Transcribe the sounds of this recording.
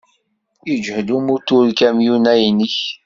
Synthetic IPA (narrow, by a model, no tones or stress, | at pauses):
id͡ʒhd̪umut̪uɾkæmjunæjniç